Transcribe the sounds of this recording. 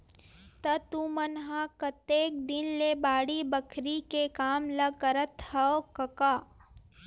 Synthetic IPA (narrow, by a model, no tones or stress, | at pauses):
t̪ɐt̪umɐnɦakɐt̪eːk̚d̪ɪnlebaːɽibəkʰɾikekaːmlɐɡ̚kəɾət̪hɐokɐkaː